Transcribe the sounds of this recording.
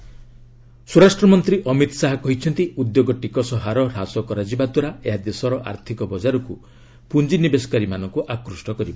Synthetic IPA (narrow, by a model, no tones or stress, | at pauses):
suɾasʈɾɔmɔnt̪ɾiʔɔmit̪ɔ̥saɦakɔɦit͡ʃʰɔnt̪iud̪joɡɔʈikɔsɔɦaɾɔɾasɔkɔɾad͡ʒibad̪waɾaeɦad̪esɔɾɔʔa̰ɾt̪ʰikɔbɔd͡ʒaɾɔku | pund͡ʒinibesɔ̥kaɾimanɔŋkuʔakɾusʈɔkɔɾibɔ